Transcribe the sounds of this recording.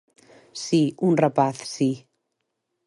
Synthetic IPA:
siːunrəbaθsiː

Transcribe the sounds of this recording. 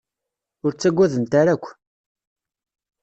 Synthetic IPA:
ʊɾt͡sːæɡʷːæðənt̪aɾækʷː

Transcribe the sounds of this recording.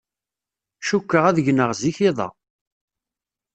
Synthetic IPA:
ʃukːəʁæðʝnəʁziçiðˤɑ̰

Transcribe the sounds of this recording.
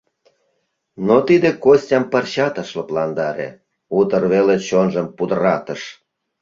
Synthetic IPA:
not̪id̪ekosʲtʲɑmpərɕɑt̪əʃloplɑnd̪ɑɾḛ | ut̪ərβelet͡ɕonʒəmpud̪əɾɑt̪əʃ

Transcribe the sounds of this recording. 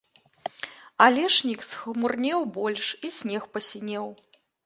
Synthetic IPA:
alʲɛʂnʲiksxmurnʲɛwbɔlʲʂisʲnʲɛxpɐsʲinʲɛw

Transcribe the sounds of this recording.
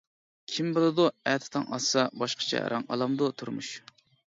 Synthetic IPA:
kʲʰimbɨlˠɨd̪uɛt̪ʰɪ̥t̪ʰɑŋɑsɑbɑʃqʰə̥t͡ʃʰɛ̰ɾʔɑŋɑ̰lˠɑmd̪ut̪ʰuɾmṵʃ

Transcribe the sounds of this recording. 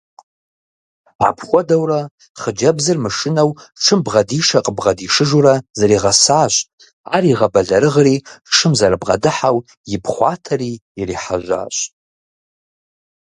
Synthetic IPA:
ʕa̰pʰχʷɔdawra | χəd͡ʒabzɨrmaʂɨnawʈ͡ʂʰɨmbʁadiʂaqʼəbʁadiʂɨʒuɾazaɾiʁasaːɕʷʼ | ariʁabaɮaɾɨʁriʂɨmzaɾabʁa̰dɨħaw | jɪpʰχʷa̰tʰariːriħa̰ʒʷa̰ːɕʷʼ

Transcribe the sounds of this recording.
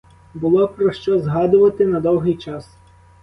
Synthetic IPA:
bʊlˠɔpɾɔʃt͡ʃɔzɦɑd̪ʊʋɐt̪ɪnɐd̪ɔwɦɪjt͡ʃɑs

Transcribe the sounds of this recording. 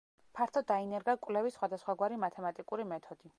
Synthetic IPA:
pʰaɾt̪ʰɔd̪ainɛɾɡakʼwlɛvisχwad̪asχwaɡwaɾimat̪ʰɛmat̪ʼikʼuɾimɛt̪ʰɔd̪̥i

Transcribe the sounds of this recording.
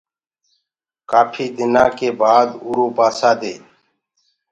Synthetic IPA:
kaːpʰiːd̪ɪnãːkeːbaːd̪uːɾoːpaːsaːd̪eː

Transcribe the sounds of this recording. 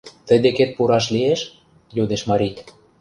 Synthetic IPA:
t̪ə̆jd̪eket̪̚puɾɑʃ̬lieʃ | jud̪eʃmɑɾit̪

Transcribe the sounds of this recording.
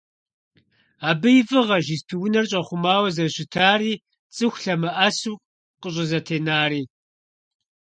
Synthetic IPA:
aːbɨjɪvɨʁɐʒispʰiwʊnɐrɕʼɐχʷʊmaːwɐzɐɕɪtʰaːɾiː | t͡sʼɨxʷɬɐmɐʔɐsuːk | qəɕ̬ʼɪzɐtʰeːnaːriː

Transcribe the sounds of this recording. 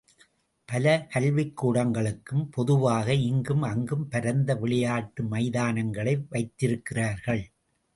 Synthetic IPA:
pɐlɐkɐlʋɪkːuːɽɐŋɡɐɭɯkːɯmpɔðɯʋaːɣɐɪŋɡɯmɐŋɡɯmpɐɾɐnd̪ɐʋɪɭɪjaːʈːɯmɐɪðaːnɐŋɡɐɭɐɪʋɐɪt̪ːɪɾɯkːɪraːɾɣɐɭ

